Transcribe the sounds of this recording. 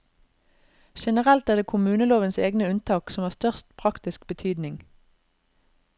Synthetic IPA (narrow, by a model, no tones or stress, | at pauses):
ʃɛnəʁɛlt̪æːʁd̪eːkʰʊmʉːnəloːʋənsḛːɡnəʉnt̪ʰɑːksɔmhɑːst̪œʁst̪pʰʁɑkt̪ɪskbət̪ʰyːd̪nɪŋ